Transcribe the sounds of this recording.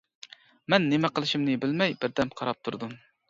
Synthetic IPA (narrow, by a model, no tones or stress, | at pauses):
mɛnːɪmɛqəlˠɨʃimnɨbɪlmɛjbɪɾd̪ɛmqʰɑɾɑp̚t̪ʰuɾd̪um